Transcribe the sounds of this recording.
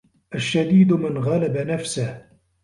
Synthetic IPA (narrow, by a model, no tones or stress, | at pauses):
ʔaʃːad̪iːd̪mɪnɣalabanafsah